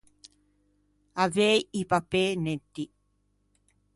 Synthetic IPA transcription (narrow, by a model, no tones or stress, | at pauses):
aviaiipapeːnet̪ːi